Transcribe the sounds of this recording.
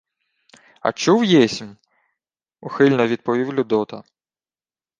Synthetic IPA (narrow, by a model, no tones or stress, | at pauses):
ɐ̰t͡ʃuwjɛsʲm | uxɪlʲnɔʋʲid̪̚pɔʋʲiwlʲʊd̪ɔt̪ɐ